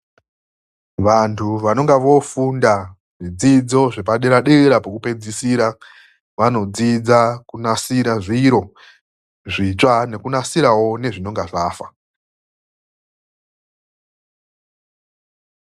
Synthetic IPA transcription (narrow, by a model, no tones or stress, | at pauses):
ʋantʰuʋano̞ŋɡaʋo̞funda | ʐid͡zid͡zo̞ʐepaɗeɾaɗeɾapokupe̞d͡zisiːɾa | ʋano̞d͡zid͡zakunasiɾaʐiɾo̞ | ʐit͡ʂane̞kunasiɾawo̞ne̞ʐino̞ŋɡaʐaːfa